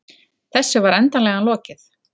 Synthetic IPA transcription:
θɛsːʏvaɾɛnt̪anlɛɣanlɔːcɪθ

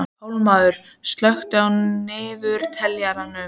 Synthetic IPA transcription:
howlmaːðʏɾ̥ | st̪lœxt̪ʏawnɪːvʏɾ̥t̪ʰɛljaɾanʏ

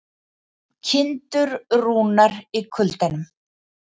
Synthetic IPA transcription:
cʰɪnt̪ʏɾruːnaɾikʰʏlt̪anʏm

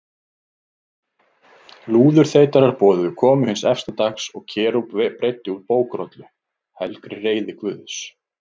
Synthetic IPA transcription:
luːðʏɾ̥θeːjt̪aɾaɾ̥pɔːðʏʏkʰɔːmʏhɪnsɛfst̪at̪aksɔɣcʰɛːɾuppɾejt̪ːɪuɾpoːwkɾɔt̪lʏ | hɛlkɾɪreːjðɪkvʏːðʏs

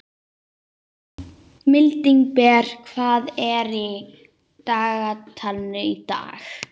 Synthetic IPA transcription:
mɪlt̪iŋkpɛːɾ̥kʰvaːðɛɾi | t̪aːɣat̪ʰalnʏit̪a̰ːx

